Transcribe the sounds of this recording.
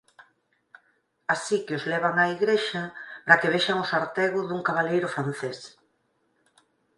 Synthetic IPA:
asikɪozlɛβ̞aŋaiɣɾeʃapɾakeβeʃaŋʊsaɾt̪ɛɣʊðuŋkaβalejɾʊfɾanθes

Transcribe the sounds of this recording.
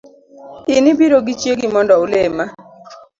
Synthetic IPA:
ɪnɪbiɾoɡit͡ʃjeɡimɔndɔʊlema

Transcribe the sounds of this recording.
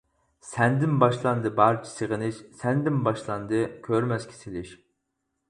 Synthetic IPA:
sɛnd̪ɪnbɑʃlˠɑnd̪ɨbɑɾt͡ʃʰi̥sɨʁɨnɪʃsɛnd̪ɪnbɑʃlˠɑnd̪ɨkʲʰøɾmɛskʲʰi̥sɪlɪʃ

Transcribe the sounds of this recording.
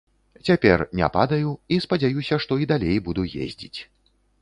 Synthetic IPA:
t͡sʲapʲɛrnʲɛ̰pad̪ɐjuispɐd͡zʲajusʲɐʂt̪ɔid̪alʲejbud̪ujḛzʲd͡zʲit͡sʲ

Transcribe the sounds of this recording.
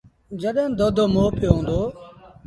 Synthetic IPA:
d͡ʒəɗẽːd̪oːd̪ʱoːmoːpjːɦõːnd̪oː

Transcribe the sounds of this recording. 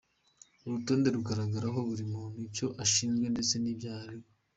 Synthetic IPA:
uɾuto̞ːnde̞ɾuɡaɾaɡaɾaɦo̞βuɾimon̥ico̞ʔaʃiːnzɡwe̞nde̞t͡se̞niːbjaːɾio

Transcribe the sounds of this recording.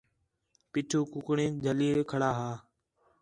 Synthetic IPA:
piːʈʰuːkʊkɳẽːd͡ʒʱəliːɾkʰəɽaːɦaː

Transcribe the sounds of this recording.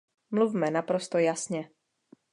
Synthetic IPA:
mluvmɛnapɾo̞st̪ojasɲɛ

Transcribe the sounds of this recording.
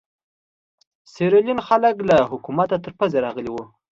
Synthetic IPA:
seɾɪlinxaləklaɦʊkumat̪at̪əɾpazeɾɑɣəliwu

